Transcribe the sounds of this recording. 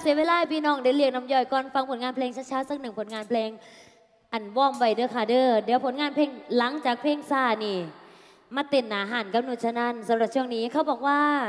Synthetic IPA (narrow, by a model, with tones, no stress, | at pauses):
si˧˦weː˧laː˧˥˨pʰiː˧˨nɔː˧˩ŋda˧˦li˧ək̚na˧˥mjɔː˧˩jkɔː˧˥˨nfa˧ŋpʰo˨˩˦nŋaː˧˥˨pʰlɛː˧ŋt͡ɕʰa˧˥t͡ɕʰaː˧˥˨wsa˧˥˩k̚nɯ˨˩ŋpʰo˨˦nŋaː˧˨npʰlɛː˧ŋ | ʔa˨˩nwɔː˧˩˨mwa˧˩jdɤː˧˩kʰaː˧˩dɤː˧˩di˨˩˦pʰo˨˦nŋaː˧˥npʰleː˧˩ŋla˨˦ŋt͡ɕaː˨˩k̚pʰeː˧˥˩ŋsaː˧˩niː˧˩ | maː˧˨t̪e˨˩nːaː˨˦ɦaː˨˩˦nka˧mno˧˩t̪̚t͡ɕʰa˧na˧˥˨nsa˨˦mɾa˨˧˩t̚t͡ɕu˧ə˨ŋniː˦˥˨kʰa˧˩wbɔː˨˩k̚waː˧˩